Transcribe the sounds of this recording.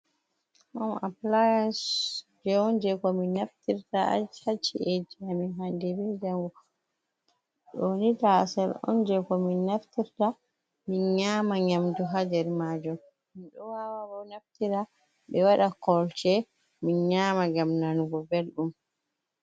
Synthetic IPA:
ʔɔnaplajansd͡ʒɛɔnd͡ʒɛkɔminːaftiɾtaa̰d͡ʒhat͡ʃːied͡ʒiaminɦandɛbɛd͡ʒaŋɡɔ | ɗonita̰sɛlɔ̰nd͡ʒɛkɔminːaftiɾta | minɲaːmaɲamduɦad͡ʒɛɾmad͡ʒɔm | minɗɔwawabɔnaftiɾa | ɓɛwaɗakɔlt͡ʃɛ | minɲamaɡamnanuɡɔbelɗum

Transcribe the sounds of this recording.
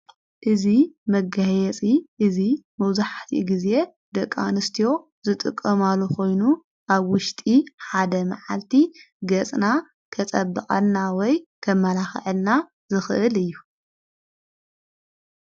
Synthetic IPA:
ʔɨzimɐɡajɛt͡sʼiʔɨzimɐwzaħt̪ʰḭɡize̞ | d̪ɐkʼːa̰nɨst̪ʰijo̞ | zɨt̪ʼɨkʼːɐmalːokʰo̞jnu | ʔaβwʊʃt̪ʼiħad̪ɐmaʕa̰lt̪ʰi | ɡɐt͡sʼna | kʰɐt͡sʼɐbːɨkʼa̰lnawɔjkʰɐmːɐlaxʕɨlna | zɨxɨʔɨlɨjːu

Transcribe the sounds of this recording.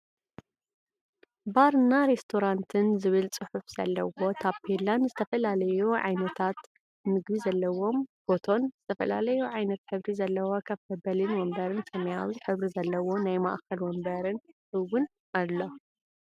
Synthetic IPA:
baɾɨnːaɾe̞st̪ʰoɾant̪ʰɨnzɨβɨlt͡sʼɨħufz̥ɐ̰lːɐwo̞t̪ʰapʰelanzɨt̪ʰɐfɐlalɐjuʕa̰jnɐt̪ʰat̪ | mɨɡβizɐlːɐwo̞mb̥o̞t̪ʰo̞nz̥ɨt̪ʰɐfɐla̰lɐjuʕajnɐt̪ħɨβɾizɐlːɐwokʰaβkɐbɐlɨnwɔmbɐɾɨnsɐmɐjawiħɨβɾizɐlːɐwo̞najma̰ʔkɐlwɔmbɐɾɨnhɨwːɨn | ʔalːo̞

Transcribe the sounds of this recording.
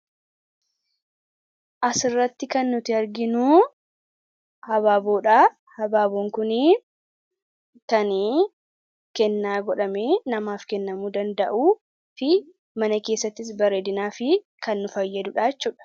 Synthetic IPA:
ʔɐsɪrːɐt̪ːɪkɐnːʊt̪ɪɐɾɡɪnuː | hɐβaːboːᶑaː | hɐbaːboːŋkʊni | kɐn | kɛnːaːɡɔᶑɐme̞ːnɐmaːfkɛnːɐmuːd̪ɐnd̪ɐ̰ʔuː | fɪ | mɐnɐke̞ːsːɐt̪ːɪs̬bɐɾeːd̪ɪnaːfɪ | kɐnːʊfɐjːɛd̪ʊᶑaːt͡ʃːuːᶑɐ̥

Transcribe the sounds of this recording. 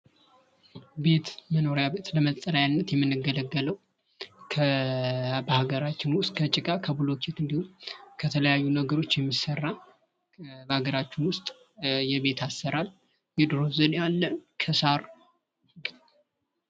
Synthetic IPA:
be̞t̪məno̞ɾjaβe̞t̪ləmət̪ʼːəlajanːət̪jɛmːɨnːɨɡːələɡːələw | kʰə | bəhaɡəɾat͡ʃːɪnwʊst̪ʼkʰət͡ʃʼɪkʼakʰəbulo̞kʰet̪ɨnd̪ihumkʰət̪ʰələjajːunəɡəɾo̞t͡ʃːjɛmːisərːa | bəhaɡəɾat͡ʃːɪnwʊst̪ʼ | jɛβe̞t̪ʰasːəɾal | jɛd̪ɾo̞zənjalːənkʰəsaɾ | ɡ̪

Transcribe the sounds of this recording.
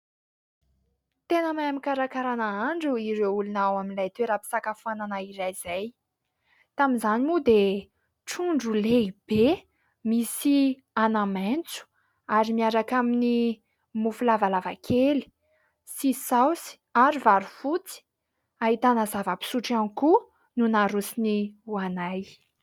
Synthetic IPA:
t̪enəmajamikaɾakaɾanaaɳɖ͡ʐuiɾewulunawaminlajt̪weɾapi̥sakafuananaiɾajz̥aj | t̪aminzanimud̪e | ʈ͡ʂuɳɖ͡ʐuleib̥e | misi | anament͡su̥ | aɾimiaɾakamini | mufulavalavakʰeli̥ | sisawsi̥ | aɾivaɾufut͡si̥ | aɦit̪anəzavəpi̥suʈ͡ʂaniku | nunaɾusiniuanaj

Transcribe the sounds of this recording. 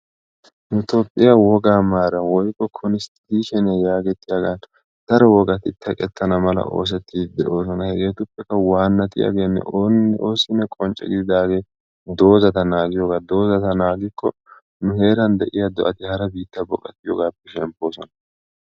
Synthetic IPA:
nʊt̪opʼːɪjawɔɡaːmaːɾɐwɔjkːɔkʰɔnɪst̪iːʃɛnɪjɐjaːɡɛt̪ːɪjɐɡaːn | d̪̥ɐɾɛwɔɡɐt̪ɪt̪ːɐkʼɛt̪ʰːɐnɐmɐlɐ̰ʔo̞ːs̬ɛt̪ʰːiːd̪ɛʔo̞ːs̬ɔnɐhɛɡeːt̪ʊpːɛkːɐwaːnːɐt̪ɪ̰ja̰ɡe̞ːnːɛ̰oːsɪnːɛkʼɔnt͡ʃʼɛ̰ɡɪd̪ɪd̪aːɡe̞ː | d̪o̞ːzɐt̪ɐnaːɡɪjɔɡaːd̪o̞ːzɐt̪ɐnaːɡɪkʰːɔ | nʊhe̞ːɾɐnd̪ɛʔɪjɐd̪ɔʔɐt̪ɪhɐɾɐbiːt̪ːɐbɔkʼːɐt̪ːɪjo̰ɡaːpːɛʃɛmpːo̞ːsɔnɐ

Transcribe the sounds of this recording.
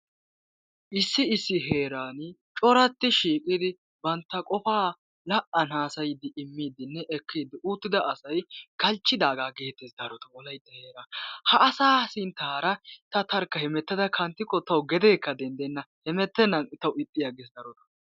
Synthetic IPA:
ʔɪsːɪɪsːɪɦe̞ːɾaːnt͡ʃʼɔɾɐt̪ːɪʃiːkʼɪd̪ɪ | bɐnt̪ːɐkʼɔfaː | lɐʔɐnaːsɐjɪd̪ɪɪmːiːd̪ɪnːɛʔɛkːiːd̪ɪʔuːt̪ːɪd̪ɐʔɐsɐjkɐlt͡ʃːɪd̪aːɡaːɡe̞ːt̪ːesd̪ɐɾɔt̪ɐɔlɐjt̪ːɛheːɾahɐːsaːsɪnt̪aːɾɐt̪ɐt̪ɐɾkːɐhɛmɛt̪ːɛd̪ɐkʰɐnt̪ːɪkːɔt̪ɐwɡɛd̪eːkːɐd̪ɛnd̪ɛnːɐhɛmɛt̪ːɛnːɐnt̪ɐwɪt̪ʼːɪjaɡɛs̬d̪ɐɾɔt̪ɐ̥

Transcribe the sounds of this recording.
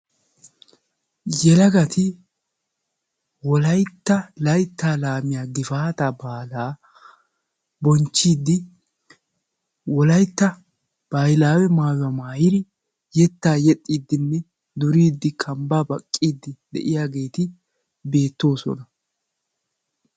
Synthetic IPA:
jɛlɐɡɐt̪ɪ | wɔlɐjt̪ːɐlɐjt̪ːaːlaːmɪjaːɡɪfaːt̪ɐbaːlaː | bɔnt͡ʃːiːd̪ɪ | wɔlɐjt̪ːɐ | b̥ajlaːwɛmaːjɐmaːjɪɾɪ | jɛt̪ːaːjɛt̪ʼːiːd̪ːɪnːɛ | d̪ʊɾiːd̪ːɪkʰɐmbaːbɐkʼːiːd̪ːɪd̪ɛ̰ʔɪjaːɡe̞ːt̪ɪ | be̞ːt̪ːo̞ːsɔ̰nɐ

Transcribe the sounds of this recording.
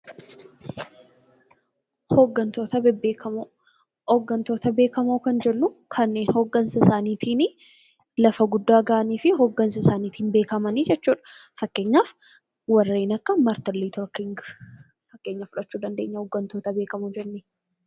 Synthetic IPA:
hoɡːɐnt̪o̞ːt̪ɐbɐo | ɔɡːɐnt̪oːt̪ɐbe̞ːkɐmoːkɐnd͡ʒɛnːʊkʰɐnːe̞ːnhoːɡːɐnsɐɪsaːniːt̪ʰiːnɪ | lɐfɐɡʊd̪ːaːɡaːniːfɪɦoɡːɐnsɐɪsaːniːt̪iːnbe̞ːkɐmɐnid͡ʒɛt͡ʃːuːᶑɐ̥fɐkːe̞ːɲːaːf | wɐrːe̞ːnɐkːɐmɐɾt̪ɐlːiːt̪ɔɾkɪŋɡ | fɐkːeːɲːɐfʊᶑɐt͡ʃːuːd̪ɐnd̪e̞ːɲːɐhoɡːɐnt̪o̞ːt̪ɐbeːkɐmod͡ʒɛnnɪ

